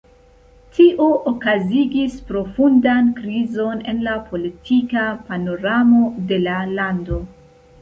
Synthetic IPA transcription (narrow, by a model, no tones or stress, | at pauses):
tʰiʔo̞ʔokaziɡispɾo̞fundankɾizo̞ne̞nlapʰo̞litʰikapano̞ɾamo̞de̞lalando̞